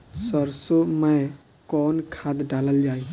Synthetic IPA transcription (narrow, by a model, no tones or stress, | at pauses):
səɾsoməj | kɔnkʰad̪ɖaləld͡ʒaj